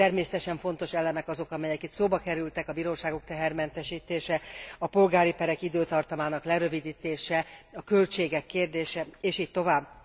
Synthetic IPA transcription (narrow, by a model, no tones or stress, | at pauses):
t̪ɛrmeːsɛt̪ɛʃɛɱfo̞n̪t̪o̞ʃɛlɛmɛkɒzo̞kɒmɛjɛkit̪soːbɒkɛɾylt̪ɛkɒbiːɾoːʃaːɡok̚t̪ɛɦɛrmɛnt̪ɛʃiːt̪eːʃɛɒpo̞lɡaːɾipɛɾɛkid̪øːt̪ɒrt̪ɒmaːnɒklɛɾø̞vid̪iːt̪eːʃɛɒkø̞lt͡ʃeːɡɛkːeːrd̪eːʃɛeːʃiːc̚t̪o̞vaːbː